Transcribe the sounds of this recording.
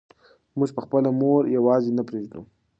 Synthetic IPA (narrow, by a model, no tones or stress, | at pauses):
mʊʒpəxpəlamoɾjawɑzenapɾeʒd̪ṵ